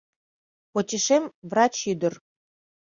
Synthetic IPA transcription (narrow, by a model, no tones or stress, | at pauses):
pot͡ɕeʃemvrɑt͡ɕyd̪ə̆r